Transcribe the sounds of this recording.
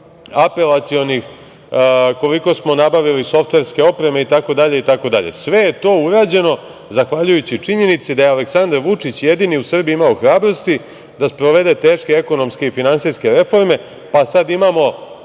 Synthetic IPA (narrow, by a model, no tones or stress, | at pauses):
ape̞lat̪sio̞nix | ko̞liko̞smo̞nabaʋiliso̞ft̪ʋe̞ɾske̞o̞pɾe̞me̞it̪ako̞d̪aʎeit̪ako̞d̪a̰ʎḛsʋe̞jet̪o̞uɾaːd͡ʑe̞no̞ | zaxʋaʎujut͡ɕit͡ʂiɲe̞nit̪sed̪ajealeksand̪aɾʋut͡ʂit͡ɕje̞d̪iniusr̩biimaoxɾaːbɾo̞st̪i | d̪aspɾoʋe̞d̪e̞t̪e̞ːʃke̞eko̞no̞mske̞ifinansiske̞ɾe̞fo̞ɾme̞ | pasad̪imamo̞